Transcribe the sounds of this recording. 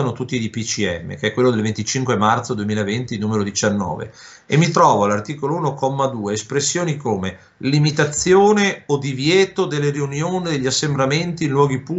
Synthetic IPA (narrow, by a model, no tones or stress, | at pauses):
anot̪ut̪ːid̪ipit͡ʃiɛ̰mːḛkeɛkːwelːod̪elvent̪it͡ʃiŋkwemart̪sod̪uemiːlavent̪inuːmeɾod̪it͡ʃanːɔ̰ːvḛ | emːit̪ɾɔːvoalːart̪iːkolouːnokɔmːad̪uːeːspɾesːjoːnikoːme | limit̪at̪sːjoːneod̪ivjɛːt̪od̪elːeɾiunjoːnid̪eʎːasːembɾament̪iːnlwɔːɡipu